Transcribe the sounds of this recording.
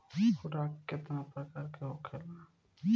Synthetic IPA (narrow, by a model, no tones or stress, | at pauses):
xʊɾaːkːet̪nãpɐɾkɐɾkeɦokʰelaː